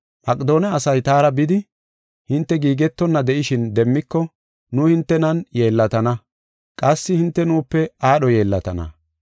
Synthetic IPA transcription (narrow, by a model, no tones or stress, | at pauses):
mʔɐkʼɪd̪o̞ːnɛɐsɐjt̪aːɾɐbɪd̪ɪ | hɪnt̪ːɛɡiːɡɛt̪ːɔnːɐd̪ɛʔɪʃɪnd̪ɛmːɪkːɔ | nʊːhɪnt̪ːɛnɐnjeːlːɐt̪ɐnɐ | kʼɐsːɪhɪnt̪ːɛnuːpːɛaːɗɔje̞ːlːɐt̪ɐ̰nɐ̰